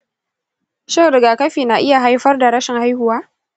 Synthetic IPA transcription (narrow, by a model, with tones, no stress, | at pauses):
ʃɪ˦ɾɪ˨ɡaː˨kɐ˦ɸiː˨naː˨ʔɪ˦ja˨ɦa˦jɸɐ˦rda˨ɾɐ˦ʃɪ˨ŋha˦jhʊ˨waː˦